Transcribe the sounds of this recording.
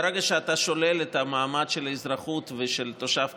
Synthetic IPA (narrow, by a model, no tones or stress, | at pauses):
ɾeɡaʃeat̪aʃo̞lelet̪amaːmad̪ʃelizɾaχut̪veʃelt̪oʃaf